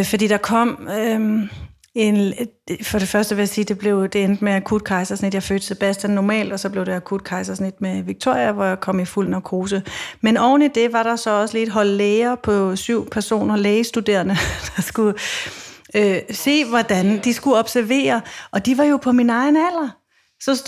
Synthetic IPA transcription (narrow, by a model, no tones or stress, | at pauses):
fɒd̥ḭːd̥ɑ̈kʰɒ̽m̰ø | e̝nfɒ̽ɾ̥e̝fɶɐsd̥əʋe̝jasiːd̥e̝b̥le̝ʊd̥e̝end̥əmeækʰud̥̚kʰɑ̈ɪsɐsnid̥jɑ̈ɪfø̰ːd̥t͡sʰeb̥æsd̥ænːɒmɛ̰ːld̥ɒ̽sɒ̽b̥le̝ʊɾ̥e̝ækʰud̥̚kʰɑ̈ɪsɐsnid̥meʋiɡ̥̚t͡sʰo̝ɐ̰iɐʋɒjɑ̈kʰɒ̽m̰iful̰n̩ɒkʰo̝ːs̬əmenɒʊ̰n̩id̥e̝ʋɑ̈ɾ̥ɑ̈sɒ̽ɒ̽səliːd̥ɦɒ̽l̰leːɐpʰɒ̽syʊ̰pʰæɐso̝̰ːnɐleːəsd̥ud̥e̝̰ːɐnəd̥ɑsɡ̥u | øse̝̰ːʋɒd̥ænd̥isɡ̥uɒ̽b̥sæɐʋe̝̰ːɐɒ̽d̥iʋɑ̈jo̝pʰɒ̽minɑ̈ɪnæl̰ɐ | sɒ̽